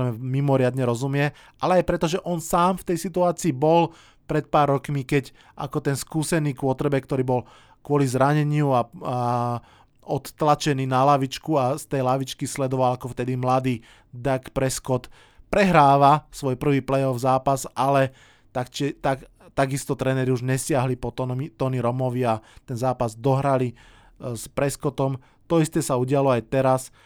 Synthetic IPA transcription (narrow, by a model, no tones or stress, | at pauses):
mɛmimɔɾɪad̪ɲɛɾɔzumɪɛ | ʔalɛajpɾɛt̪ɔʒɛʔɔnsaːmft̪ɛjsit̪uaːt͡siːbɔl | pɾɛt̪̚paːɾːɔkmikɛc | a̰kɔt̪ɛnskuːsɛniːkʊɔt̪ɾɛbɛkt̪ɔɾiːbɔl | kʊɔlizɾaɲɛɲɪua | ɔt̪ːlat͡ʃɛniːnalaʋit͡ʃkuast̪ɛjlaʋit͡ʃkislɛd̪ɔʋalakɔft̪ɛd̪imlad̪iː | d̪akpɾɛskɔt̪ | pɾɛɦɾaːʋasʋɔjpr̩ʋiːplɛjɔvzaːpasalɛ | t̪akt͡ʃɛt̪a | t̪aɡist̪ɔt̪ɾɛːnɛɾiuʒɲɛsɪaɦlipɔmit̪ɔniɾɔmɔʋiat̪ɛnzaːpazd̪ɔɦɾali | spɾɛskɔt̪ɔm | t̪ɔist̪ɛsauɟɪalɔajt̪ɛɾas